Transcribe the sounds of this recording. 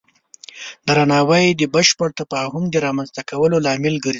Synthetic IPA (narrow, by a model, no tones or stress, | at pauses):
d̪ɾanɑwəjd̪əbəʃpəɽt̪afɑhʊmd̪əɾɑmanzt̪akawəlolɑmɪlɡəɾ